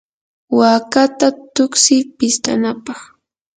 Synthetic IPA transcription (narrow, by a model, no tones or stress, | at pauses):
waːkat̪at̪ʊksɪpɪst̪ʼanapɑχ